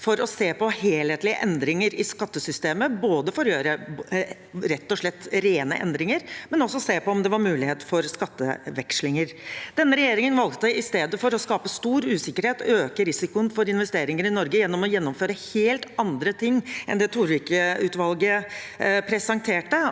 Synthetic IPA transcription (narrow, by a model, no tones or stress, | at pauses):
fɔɾɔseːpɔheːlheːt̪lɪə̰ʔɛnd̪ɾɪŋəɾɪskɑt̪ːəsʏst̪eːməboːd̪əfɔɾjøːɾə | ɾɛt̪ːɔʂɭɛt̪ːɾeːnə̰ʔɛ̰nd̪ɾɪŋəɾmɛnɔsːɔseːpɔɔmd̪ɛʋɑɾmʉːlɪheːt̪fɔɾskɑt̪ːə̰ʋɛkʂlɪŋəɾd̪̥ɛnːəɾɛjeːɾɪŋənʋɑlˠkt̪əɪst̪eːd̪əfɔɾɔskɑːpəst̪uːɾʉːsɪkːəɾheːt̪øːkəɾɪsɪkʊənfɔɾɪn̪ʋɛst̪eːɾɪŋəɾɪnɔɾɡəjɛnːɔmɔjɛnːɔmføːɾəheːlt̪ɑnd̪ɾət̪ʰɪŋːʔɛ̰nd̪ɛt̪ʰuɾʋɪːkəʉːt̪ʋɑlɡə | pʰɾɛsɑŋt̪ʰeːʈːə